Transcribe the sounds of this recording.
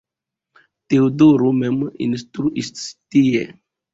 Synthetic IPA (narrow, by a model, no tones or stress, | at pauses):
t̪eod̪oɾumɛmḭnst̪ɾuʔisst̪ie